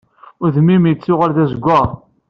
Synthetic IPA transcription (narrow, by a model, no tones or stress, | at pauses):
ʊɾðmːimjət͡sːʊʁəlðæzɡʷːa